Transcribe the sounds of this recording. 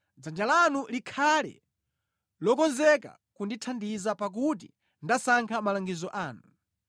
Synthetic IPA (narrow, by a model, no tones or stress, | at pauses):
d͡zand͡ʒalanulikʰalɛ̰ | lɔkɔnzɛka̰ | kunditʰandizapak̬ut̬ḭ | ndasaŋkʰamalaŋɡizɔʔaːnu